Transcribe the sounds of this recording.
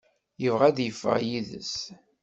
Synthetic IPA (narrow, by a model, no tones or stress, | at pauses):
jəvʁæd̪jəfːə̰ʁjiðə̰s